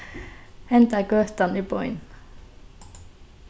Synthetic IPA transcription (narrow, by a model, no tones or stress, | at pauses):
hɛnt̪əɡøːt̪ɑniːbɔʏn